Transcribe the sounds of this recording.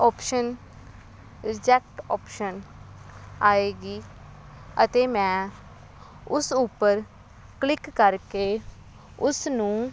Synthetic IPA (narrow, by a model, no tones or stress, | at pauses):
ɔːpʃən | ɾɪd͡ʒɛːk̚ʈɔːpʃən | aːeːɡiː | ət̪eːmɛ̃ː | ʊsupːəɾ | klɪkːəɾkeː | ʊsnũː